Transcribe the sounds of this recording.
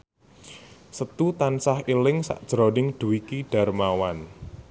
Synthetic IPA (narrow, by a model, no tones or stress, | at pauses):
sət̪ut̪ansahilɪŋsa̰ʔd̥ʒ̥ɾɔnɪŋɖ̪̥ṳwikiɖ̥a̤rmawan